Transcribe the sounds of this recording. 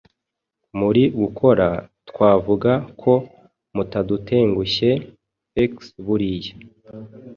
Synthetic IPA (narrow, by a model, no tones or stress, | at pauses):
muɾiɡukʰo̞ɾatkwaːvuɡakʰo̞ | mutadutʰe̞ːŋɡuçe̞ | eksβuɾije